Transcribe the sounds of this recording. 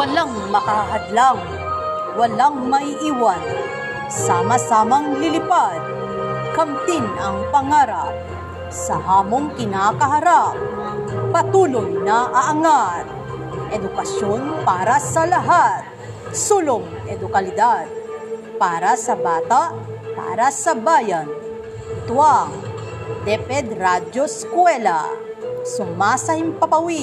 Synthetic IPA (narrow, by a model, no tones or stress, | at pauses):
wɐlaŋmɐkɐɦɐd̪laŋ | wɐlaŋmɐʔiːwan | saːmɐsaːmɐŋlɪlɪpad̪̚kɐmt̪ɪnɐŋpɐŋaːɾap̚ | sɐhaːmoŋkɪnaːkɐɦɐɾap̚ | pɐt̪uːlojnaʔɐʔɐŋat̪̚ | ʔɛd̪ʊkɐʃjonpaːɾɐsɐlɐɦat̪̚ | sulʊm | ʔɛd̪ʊkɐlɪd̪ad̪̚paːɾɐsɐbaːt̪aʔ | pa̰ːɾɐsɐbaːjan | t̪ʊwaŋ | d̪ɛpɛd̪ɾad͡ʒoskwɛla̰ | sʊmasɐhɪmpɐpɐwi